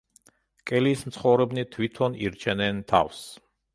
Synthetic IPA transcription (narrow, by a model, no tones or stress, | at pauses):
kʼɛliːsmt̪sʰχɔvɾɛbnit̪ʰwit̪ʰɔnḭɾt͡ʃʰɛnɛnt̪ʰa̰fs